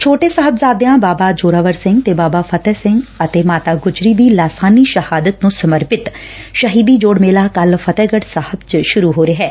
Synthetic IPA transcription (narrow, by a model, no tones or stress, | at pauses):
t͡ʃʰoːʈeːsəɦəbzaːd̪eãːbaːbaːd͡ʒoːɾaːʋəɾsɪ̃ŋɡt̪eːbaːbaːpʰət̪ɛːsɪ̃ŋɡət̪eːmaːt̪aːɡʊd͡ʒɾiːd̪iːlaːsaːniːʃəhaːd̪ət̪nũːsəməɾpɪt̪ | ʃəɦiːd̪iːd͡ʒoːɽmeːlaːkəlfʰət̪ɛːɡəɖsəhəbt͡ʃʃʊɾuːɦoːɾeːɦɛː